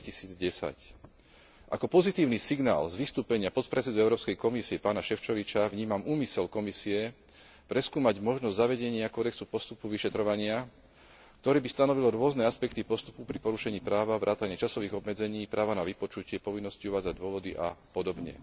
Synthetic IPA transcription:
cisiːd͡zɟɛsa̰c | ʔa̰kɔpɔzit̪iːʊnisiɡna̰ːlzʋist̪uːpɛɲɪapɔt̪pɾɛtt͡sɛd̪uɛʊɾɔːpskɛjkɔmisiɛpaːnaʃɛft͡ʃɔʋit͡ʃaʋɲiːmamuːmisɛlkɔmisiɛ | pɾɛskuːmaɟmɔʒnɔzzaʋɛɟɛɲɪakɔːd̪ɛksupɔst̪upuʋiʃɛt̪ɾɔʋaɲɪa | k̚t̪ɔɾɛːbist̪anɔʋilɔɾʊɔznɛaspɛkt̪ipɔst̪u̥pupɾipɔɾuʃɛɲiːpɾaːʋaʋɾaːt̪aɲɪɛt͡ʃasɔʋiːɣɔbmɛd͡zɛɲiːpɾaːʋanaʋipɔt͡ʃucɪɛpɔʋinːɔsciuʋaːd͡zaɟd̪ʊɔʋɔd̪iʔa̰pɔd̪ɔbɲɛ̰

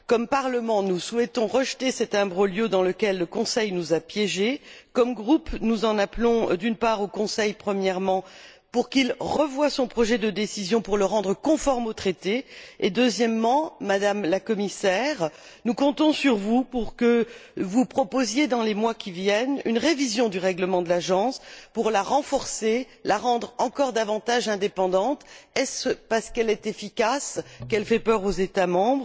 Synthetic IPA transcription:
kɔmpaʁləmɑ̃nuswɛt̪ɔ̃ʁəʒt̪esɛt̪ɛ̃bʁoljød̪ɑ̃ləkʲɛlːəkɔ̃sɛjnuzapjɛʒekɔmɡʁupnuzɑ̃naplɔ̃d̪ynpaʁokɔ̃sɛjpχəmjɛʁmɑ̃ | puʁkilʁəvwasɔ̃pχɔʒɛd̪əd̪esizjɔ̃puʁləʁɑ̃d̪ʁəkɔ̃fɔʁmot̪χet̪eed̪øzjɛmːɑ̃mad̪amlakɔmisɛʁ | nukɔ̃t̪ɔ̃syʁvupuʁkəvupχɔpozjed̪ɑ̃lemwakʲivjɛny̰nʁevizjɔ̃d̪yʁɛɡləmɑ̃d̪əlaʒɑ̃spuʁlaʁɑ̃fɔʁse | laʁɑ̃d̪ʁɑ̃kɔʁd̪avɑ̃t̪aʒɛ̃d̪epɑ̃d̪ɑ̃t̪ɛspaʁsə̥kɛlɛt̪efikaskɛlfɛpœʁozet̪amɑ̃bʁ

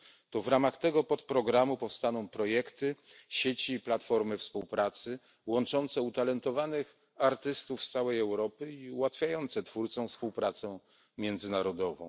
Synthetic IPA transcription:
t̪ɔvɾamaxt̪ɛɡɔpɔt̪pɾɔɡɾamupɔfst̪anɔ̃w̃pɾɔjɛkt̪ɘɕet͡ɕiːplat̪fɔɾmɘfspuwpɾat̪sɘ | wɔnt͡ʂɔnt̪sɛut̪alɛnt̪ɔvanɘx | aɾt̪ɘst̪ufst̪sawɛjɛwɾɔpɘiuwat̪fʲjajɔnt̪sɛt̪fuɾt̪sɔ̃w̃fspuwpɾat̪sɛ | mʲjɛnd̪zɘnaɾɔd̪ɔvɔ̰̃w̃

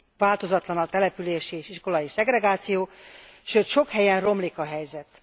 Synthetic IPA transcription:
vaːlt̪o̞zɒt̪lɒnɒt̪ɛlɛpyleːʃieːʃiʃko̞lɒjisɛɡɾɛɡaːt̪sijoːʃøːt̪ʃo̞khɛjɛnro̞mliːkɒɦɛjzɛt̪

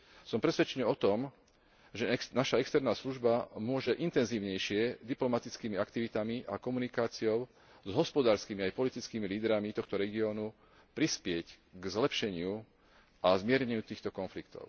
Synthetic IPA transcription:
sɔmpɾɛsʋɛt͡ʃɛɲɛɔt̪ɔm | ʒɛnaʃaɛkst̪ɛɾnaːsluʒbamʊɔʒɛʔint̪ɛnziːʊɲɛjʃɪɛd̪iplɔmat̪it͡skiːmiakt̪iʋit̪amiʔakɔmunikaːt͡siɔʊ | zɦɔspɔd̪aːɾskimiajpɔlit̪it͡skiːmiliːd̪ɾamit̪ɔxt̪ɔɾɛɡiɔːnu | pɾispɪɛɟ | ɡzlɛpʃɛɲɪu | azmɪɛɾɲɛɲuːt̪iːxt̪ɔkɔnflikt̪ɔ̰ʊ

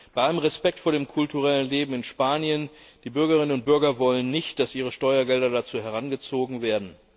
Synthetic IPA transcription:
b̥aɪʔaləmʁɛspɛk̚tfoːɐɾeːmkʰʊltuʁɛlənleːbm̩ɪnʃpaːnjənd̥iːbʏɐɡɐʁ̞ɪnənʊnt̚b̥ʏɐɡɐvɔlənːɪçtd̥asʔiːʁ̞əʃtɔʏɐɡɛldɐdat͡suːɦɛʁanɡət͡soːɡŋ̩veːɐdn̩

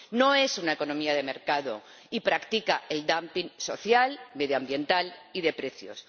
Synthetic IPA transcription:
no̞e̞sunaeko̞nõmiaðe̞me̞ɾkaðo̞̰ | ipɾakt̪ikaʔe̞ld̪ampiŋso̞θjalme̞ðjoambje̞nt̪aliðe̞pɾe̞θjo̰s

